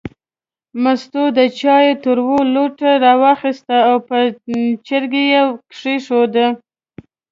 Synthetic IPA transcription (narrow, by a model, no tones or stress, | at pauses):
mast̪od̪ət͡ʃɑjet̪əɾwoloʈaɾɑwɑxist̪aːwpət͡ʃəɾɡejekʂeʂod̪ə